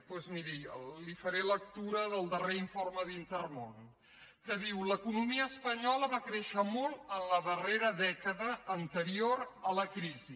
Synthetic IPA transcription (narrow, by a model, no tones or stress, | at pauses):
pwezmiɾiəlifəɾelək̚t̪uɾəðəlˠd̪əreiɱforməðint̪ərmon | kəðiwləkunumiəːspəɲɔləβakɾeʃəmolˠənləðəreɾəðɛkəðəːnt̪əɾioɾələkɾizi